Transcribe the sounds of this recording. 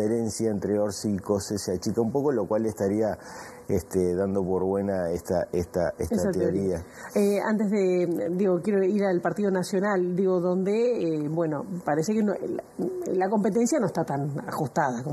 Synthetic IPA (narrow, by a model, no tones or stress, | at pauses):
eɾensjaent̪ɾeoɾsikoseseat͡ʃikaumpo̞kolokwalːest̪aɾia | est̪eðand̪opo̞ɾβwe̞naest̪aest̪aesetsasat̪eeoɾia | ea̰nt̪ezðed̪iɣokjeɾoiɾalpaɾt̪ið̞o̞nasjonald̪iɣo̞ðond̪eebwenopaɾesekeno | lako̞mpet̪̬ensjanoest̪at̪ana̰xust̪aðako